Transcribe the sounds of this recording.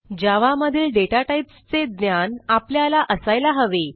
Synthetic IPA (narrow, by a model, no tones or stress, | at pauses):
d͡ʑaʋaməd̪ʱiːlɖeʈaʈaipst͡sed̪njanapljalaʔəsajlaɦəʋe